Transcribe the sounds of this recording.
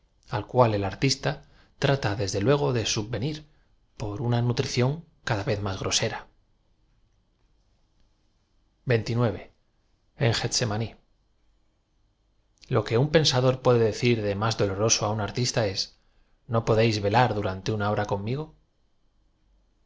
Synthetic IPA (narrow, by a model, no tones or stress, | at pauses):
alkwale̞laɾt̪ist̪a | t̪ɾat̪aðe̞zðe̞lwe̞ɣ̞o̞ðe̞subbe̞niɾ | po̞ɾunanut̪ɾiθjo̞ŋkaðaβe̞θmazɣɾo̞se̞ɾa | be̞nt̪inwe̞β̞e̞ | eŋxet̪se̞mani | lo̞ke̞umpe̞nsaðo̞ɾpwe̞ðe̞ðe̞θiɾðe̞mazðo̞lo̞ɾo̞soaunaɾt̪ist̪ae̞s | no̞po̞ðe̞jzβe̞laɾðuɾant̪e̞unao̞ɾako̞mːiɣ̞o̞